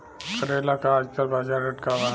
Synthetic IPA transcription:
kəɾeːlakaaːd͡ʒkəlbad͡ʒaɾəʈkaʋa

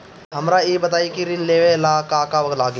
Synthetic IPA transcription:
ɦɐmɾajeːbɐt̪aːikiɾɪnleːʋelaːkaːkaʋɐɡlaːɡ

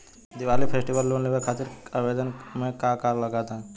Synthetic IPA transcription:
d̪iʋaːlipʰesʈiʋəlːoːnleʋəɾkʰaːt̪ɪɾaʋeːd̪ənmẽkakaːɾlɐɡaːt̪ã

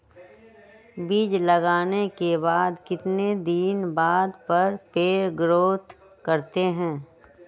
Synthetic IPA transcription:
biːd͡ʒlɐɡaːnekebaːd̪kɪt̪ned̪iːnbaːd̪pɐɾpeːɾɡɾoːt̪ | kɐɾt̪eɦɛ̃ː

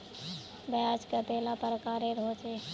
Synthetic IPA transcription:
bəjad͡ʒkət̪elapəɾəkaːɾeɾɦot͡ʃe

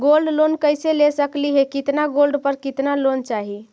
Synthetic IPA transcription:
ɡolɖlonkəɪselesəkliɦekɪt̪naɡolɖpəɾkɪt̪nalont͡ʃaɦi

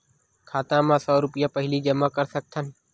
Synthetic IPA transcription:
kʰaːt̪ãːmãːsɔːɾʊpɪjaːpəɦɪliːd͡ʒəmaːkəɾsəɡ̚t̪ʰən

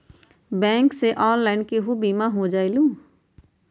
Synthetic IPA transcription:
bɛ̃ːŋkseʔɔːnlaɪnkeɦubimaɦod͡ʒaːɪlũ

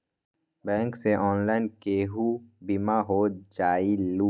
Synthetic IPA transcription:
bɛ̃ːŋkseʔɔːnlaːɪnkeːɦubimaɦoːd͡ʒaːiluː

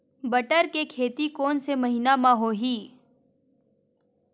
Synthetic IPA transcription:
bɐʈəɾkekʰeːt̪ikoːnsemɐɦiːnamãɦoːɦiː

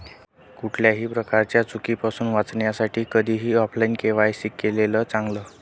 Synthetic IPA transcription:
kuʈʰljaɦiːpɾəkaɾt͡ɕjat͡sukiːpasuːnʋat͡sɳjasaʈʰiːkəd̪ʱiːɦiːɔpʰlainkeʋajɕikːeleləːt͡sãŋɡləː

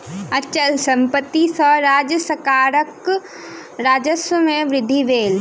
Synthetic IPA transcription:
ɐt͡ʃəlsɐ̃mpət̪ːisəɾaːd͡ʒəsəkaːɾək | ɾaːd͡ʒəsəmẽʋɾɪd̪ʱːiʋeːl

